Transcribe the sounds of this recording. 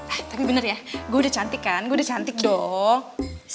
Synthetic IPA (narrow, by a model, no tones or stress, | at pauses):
at̪apibənərjaɡuaudat͡ʃant̪ɪkːanɡuaudat͡ʃant̪ɪk̚dɔ | s